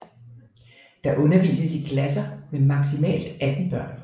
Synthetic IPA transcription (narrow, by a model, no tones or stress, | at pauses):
d̥ɑ̈ʔɔ̽nɐʋḭːsəsiɡ̥ʰlæs̬ɐmemɑ̈ɡ̥simɛ̰ːld̥æd̥n̩b̥ɶɐ̰n